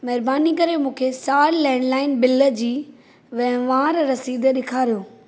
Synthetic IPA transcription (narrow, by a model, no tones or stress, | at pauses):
mɐɦɪɾbaːnikɐɾemũːkʰesaːɾlɛ̃ːɳɖlaːɪnbɪlə̆d͡ʑiː | ʋɛ̃ɦʋaːɾɾɐsiːd̪ɗɪkʰaːɾijoː